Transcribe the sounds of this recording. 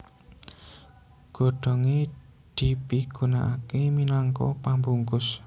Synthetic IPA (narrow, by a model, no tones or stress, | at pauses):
ɡ̥o̤ɖ̥ɔ̤ŋe | d̪̥i̤piɡ̥ṳna̰ʔakeminaŋkɔ̰pambuŋkʊs